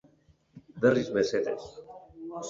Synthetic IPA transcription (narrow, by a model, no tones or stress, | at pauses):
d̪ərizmeset̪ḛs